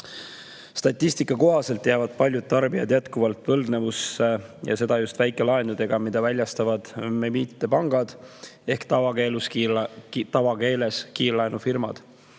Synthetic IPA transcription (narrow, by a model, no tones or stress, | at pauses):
st̪ɑt̪ʲːist̪ikːˑɑko̞ɦɑse̞lt̪ːjævɑd̪̥̚pɑlʲjud̪̥̚t̪ɑrbijɑd̪̥jæt̪kuvɑlt̪ːˑvɤ̞ld̪ne̞vusejɑ̰se̞d̪ɑjust̪væjkːˑe̞lɑenud̪e̞ɡ̥ɑmid̪̥ɑvælʲjɑst̪ɑvɑd̪̥memiːt̪ːe̞pɑŋɡ̥ɑd̪̥e̞hkt̪ɑvɑkelus | t̪ɑvɑke̞ːle̞skiːlɑenufirmɑ̰d̪̥